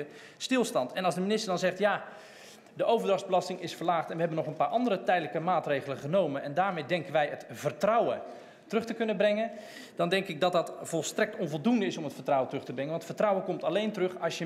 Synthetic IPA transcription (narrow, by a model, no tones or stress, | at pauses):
ə | stɪlˠstɑntɛnɑlzdəminɪstəɹdɑnzɛχtja | dəʔowvərdrɑχzbəlɑstɪŋɪsfərlaːχtɛnʋəɦɛbənɔχənpaːɹʔɑndərətɛjdələkəmaːtrejɣələχənowmənɛndaːɹmejdɛŋkənʋɛjətv̥ərtrawə | tərɵχtəkɵnəbrɛŋən | d̥ɑndɛŋkɪɡ̚dɔt̚dɑtfɔlˠstrɛk̚tɔnvɔlˠdundəɪsɔmətfərtrawəntrɵχtəbrɛŋənʋɑntfərtrawəkɔmtalejntərɵχɑsjə